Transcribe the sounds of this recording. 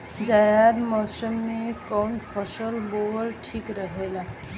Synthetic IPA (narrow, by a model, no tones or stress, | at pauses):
d͡ʒajad̪mɔsəmːekɔwnpʰəsəlbolʈʰikɾəɦela